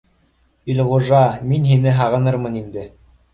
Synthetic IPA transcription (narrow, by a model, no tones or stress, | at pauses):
ilʁuʒɑminɦinɘɦɑʁɤ̆nɤɾmɤnind̪ɘ